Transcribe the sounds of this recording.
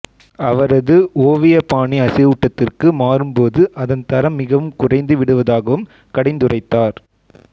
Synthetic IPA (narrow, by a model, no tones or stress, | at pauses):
ɐʋɐɾɐðɯoːʋɪjɐpaːɳiɐsɐʊʈːɐt̪ːɪrkɯmaːɾɯmpoːðɯʔɐðɐnt̪ɐɾɐmːɪɣɐʋɯmkʊrɐɪnd̪ɯʋɪɽɯʋɐðaːɣɐʋɯm | kɐɽɐɪnd̪ɯrɐɪt̪ːaːɾ